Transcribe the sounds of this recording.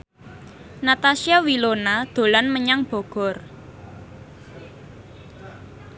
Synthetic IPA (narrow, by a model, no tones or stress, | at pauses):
nat̪asiawilonad̪̥o̤lanməɲaŋb̥ɔ̤ɡ̥ɔ̤r